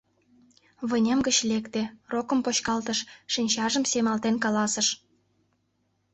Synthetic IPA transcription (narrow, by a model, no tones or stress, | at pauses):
βə̆nʲemɡət͡ɕlekt̪erokə̆mpoɕkɑlt̪əʃːinʲt͡ɕɑʒə̆msemɑlt̪enkɑlɑsəʃ